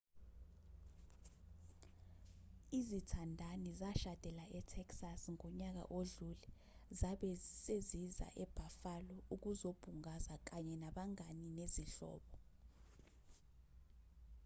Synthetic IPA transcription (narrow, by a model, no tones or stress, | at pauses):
izitʰandʱanizaʃad̥ʱɛlaʔɛtʰɛksasŋɔɲak̬a̰ʔoɮulɛ | zaɓɛseziza̰ʔɛb̥ʱafalɔuk̬uzob̥ʱuŋazak̬aɲɛnaɓaŋanineziɬɔ̰ːɓɔ